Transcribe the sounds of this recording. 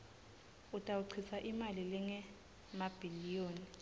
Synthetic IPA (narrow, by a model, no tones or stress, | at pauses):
utʼauǀʰisaʔimalilɛŋɛ | mab̥ʱilijoːni